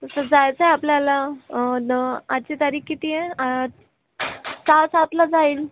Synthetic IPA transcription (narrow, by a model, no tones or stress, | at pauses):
t̪əsəd͡zajt͡saɦjapljalanəat͡ɕet̪aɾiːkkːit̪iẽ | sasat̪lad͡zaiːl